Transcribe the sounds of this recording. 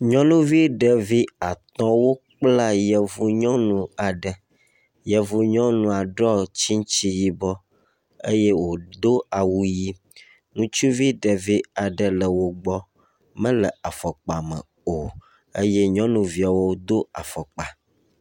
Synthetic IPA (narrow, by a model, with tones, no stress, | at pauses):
ɲɔ̃˦nũ˦vi˦ɖə˨vi˦a˨t̪ɔ̃˦wo˦k͡pla˦jɛ˨vu˦ɲɔ̃˦nũ˨a˨ɖə˨ | jɛ˨vu˨ɲɔ̃˦nũ˨a˨ɖɔ˦t͡ɕi˦ŋ˦t͡ɕi˦ji˦bɔ˦ | ḛ˦je˦wo˨d̪o˦a˨wu˦ji˦ | ŋũ˦t͡ʃu˦vi˦ɖə˨vi˦a˨ɖə˨lə˨wo˨ɡ͡bɔ˦ | mə̃˦lə˨a˨fɔ˨k͡pa˨mə̰̃˨ | o˨ | ḛ˦je˦ɲɔ̃˦nũ˨vi˦a˨wo˦d̪o˦a˨fɔ˨k͡pa˨